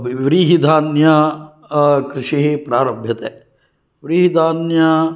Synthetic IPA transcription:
ʋɾiɦid̪ʱaːnja | kɾɪʃiɦipɾaːɾəbʱjɐt̪ɦɛː | ʋɾiːɦid̪ʱaːnja

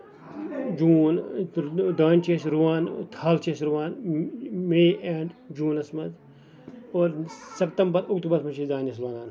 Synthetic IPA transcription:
d͡ʒuːn | d̪aːnʲt͡ʃeːsɾuʋaːnt̪ʰaːlt͡ʃeːsɾuʋaːn | meːeːɳɖd͡ʒuːnɐsmɐt̪ | oːɾsɐpt̪ɐmbɐɾʊkt̪ubɐɾsmɐt͡ʃiːd̪aːnɐs̬ɾaːnaːn

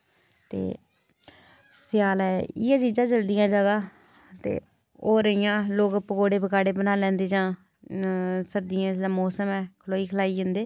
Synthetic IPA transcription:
t̪ḛː | sɪjaːlɛːɪjãːt͡ʃiːzãːt͡ʃəld̪ɪjãːd͡ʒjaːd̪aː | t̪ḛː | oːɾəɪjãːloːkpəkoːɽeːbəkaːɽeːbənaːlɛ̃ːnd̪eːd͡ʒãː | səɾd̪ɪjãːd̪aːmɔːsəmɛːkʰəloːiːkʰəlaːiːɦɪnd̪eː

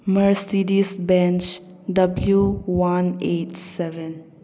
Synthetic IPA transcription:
məɹsidisbɛ̃nt͡ʃ | dʌbljuwãnetsɛvɛ̃n

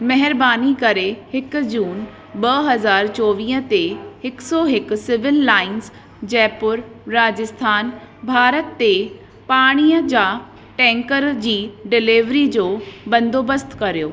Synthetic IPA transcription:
mɐɦɪɾbaːnikɐɾehɪkʊ̆d͡ʑuːn | ɓɐɦɐzaːɾt͡ɕɔːʋĩːə̃t̪ehɪksɔːɦɪkʊ̆sɪʋɪlːaːɪns | d͡ʑɛːpʊɾːaːd͡ʑɪst̪ʰaːn | bʱaːɾət̪ːe | paːɽ̃iːəd͡ʑaː | ʈɛ̃ːŋkəɾd͡ʑiːɖɪliʋɾid͡ʑoːbɐ̃nd̪ʱoːbəst̪kɐɾijo̰ː

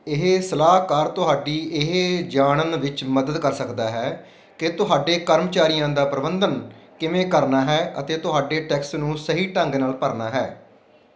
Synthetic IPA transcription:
ɪɦesəlaːɦkaːɾt̪ʊɦaːɖiːɪɦed͡ʒaːɳənʋɪt͡ʃməd̪əd̪kəɾsəkd̪aːɦɛː | kɪt̪ʊɦaːɖeːkəɾmət͡ʃaːɾɪjãːd̪aːpɾəbənd̪ənkɪmẽːkəɾnaːɦɛːʔət̪eːt̪ʊɦaːɖeːʈɛːksnũːsəɦiːʈə̃ŋɡnaːlpəɾnaːɦɛ̰ː

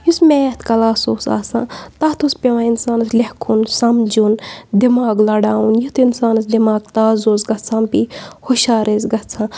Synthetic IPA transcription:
jusmeːt̪kɐlaːsoːsa̰ːsã̰ːt̪aːt̪ʰuspʲeʋãːinsaːnɐslehkʰunsɐmd͡ʒund̪imaːɡlɐɽaːunjit̪ʰinsaːnɐs̬d̪imaːɡ̚t̪aːzoːzɡɐt͡sʰãːmpiːhoʃaːɾeːzɡɐt͡sʰãː

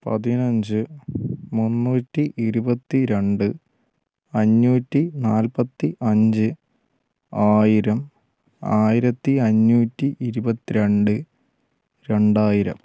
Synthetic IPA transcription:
pɐ̰ðinɐɲd͡ʑɨ | munːuːtːiʔiɾubɐt̪ːiɾe̞ɳɖɨ | ɐɲːuːtːinaːlpɐt̪ːiʔɐɲd͡ʑɨ | aːjiɾɐm | aːjiɾɐt̪ːiɐɲːuːtːiʔiɾubɐt̪ːiɾe̞ɳɖɨ | ɾe̞ɳɖaːjiɾɐ̰m

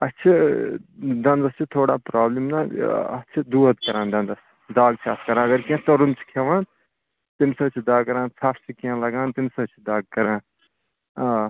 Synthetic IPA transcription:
ɐt͡ʃʰi | d̪ɐnd̪ɐst͡ʃʰit̪ʰoːɽaːpɾaːblimnaɐ̰t͡ʃʰid̪uːɐt̪kɐɾãːnd̪ɐ̃nd̪ɐsʰ | d̪aːɡ̚t͡ʃʰaːt̪kɐɾãːɐɡɐɾkiãt̪ɐɾunt͡sʰi̥kʰeʋãːn | t̪imsɐt͡ʃʰid̪aːɡkɐɾãːnsʰaːpʰt͡ʃʰikiãlɐɡaːnt̪imsɐt͡ʃʰid̪aːɡ̚kɐɾãːn | aː

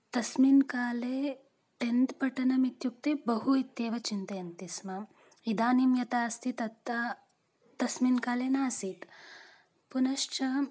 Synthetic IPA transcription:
t̪ɐsminkaːleː | ʈent̪pɐʈɐnɐmit̪juk̚t̪ebɐɦuit̪jeːʋɐt͡ʃint̪ɐjɐnt̪isma | id̪aːnimjɐt̪aːst̪ʰit̪ɐt̪ːa | t̪ɐsminkaːlenaːsit̪ | punɐʃt͡ʃɐ

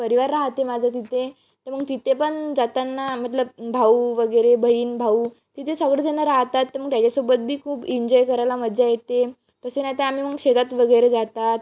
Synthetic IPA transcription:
pəɾiʋaɾːaɦt̪emad͡zʱat̪̬it̪ʰe | t̪əɾm̤əɡ̚t̪it̪ʰepəɳd͡zat̪anːam̤əʈ̪ləbbʱauʋəɡəjɾebʱəiːnbʱauː | t̪it̪ʰesəɡɽəd͡zənəɾaɦt̪at̪ːəɾməɡ̚t̪jat͡ɕasobət̪̚bʱiːkʰuːbiɲd͡ʑɔjkəɾajlaməd̪d͡zajet̪e | k̪əsenat̪eam̤im̤əɡɕet̪at̪ʋəɡəjɾed͡zat̪at̪

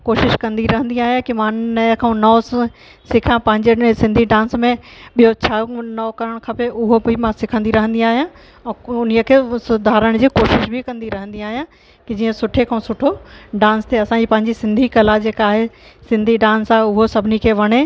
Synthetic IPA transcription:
koːʃɪʃkɐ̃nd̪iɾɐɦə̃nd̪iaːɦijãkimãnɐkʰaːũnɔː | sɪkʰãpɐ̃ɦɪ̃ɲd͡ʑesɪ̃nd̪ʱiɖãːnsmẽɓijot͡ɕʰanɐːkɐɾəɽ̃kʰɐpeʊɦobʱɪmãsɪkʰə̃nd̪iɾɐɦə̃nd̪ĩaːɦijã | ɛ̃ːʊnijəkʰeːsʊd̪ʱaːɾəɽ̃d͡ʑiːkoːʃɪʃbʱɪkɐ̃nd̪iɾɐɦə̃n̆d̪iaːɦijã | kid͡ʑiːə̃sʊʈʰekʰaũsʊʈʰoɖãːnst̪ʰeɐsãɲd͡ʑiːpɐ̃ɦɪ̃ɲd͡ʑisɪ̃nd̪ʱikɐlad͡ʑeːkaːɦesɪ̃nd̪ʱiɖãːnsaːɦeʊɦosɐbʱɪnikʰeːʋɐɽ̃e

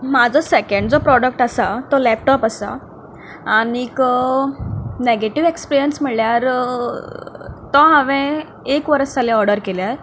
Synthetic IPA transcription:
mad͡zʱɔsekəɳɖd͡zɔpɾɔɽək̚ʈasat̪ɔlɛp̚ʈɔpasa̰ | anik | neɡeʈiʋekspiɾijənsm̤iɭljaɾ | t̪ɔ̃ɦãʋẽ | ekʋəɾəst̪alẽɔɾɖəɾkeljaɾ

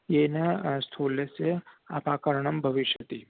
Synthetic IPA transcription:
jenɐst̪ʰoːlesea̰paːkəɾɳɐmbʱɐʋiʃɐt̪i

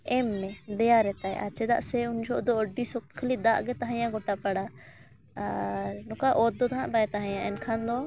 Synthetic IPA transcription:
ɛmːɛd̪ɛjaɾɛt̪aj̰ʔa̰ɾt͡ʃɛd̪a̰ʔsɛuɲd͡ʒʱɔʔd̪ɔəɖisɔk̚t̪kʰəlid̪aʔɡɛt̪aɦãjãɡɔʈapaɽa | aɾnɔkaʔɔt̪̚d̪ɔt̪aɦãʔbaɛt̪aɦãjãʔɛnkʰand̪ɔ

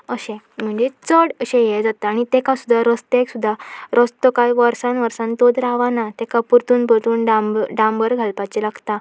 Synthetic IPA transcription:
əɕẽ | m̤əɳd͡zet͡səɽəɕẽjɛd͡zat̪aaɽ̃it̪ekasud̪ʱːaɾəst̪eksud̪ʱːaɾəst̪okajʋəɾsanʋəɾsãnt̪od̪ɾaʋanat̪ekapuɾt̪uːnpət̪uːnɖaɖãmbəɾɡʱalpat͡ɕilaɡt̪a

